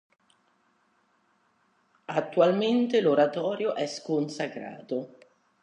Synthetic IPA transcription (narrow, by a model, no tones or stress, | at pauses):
at̪ːualment̪eloɾat̪ɔːɾjoʔɛskonsakɾa̰ːt̪o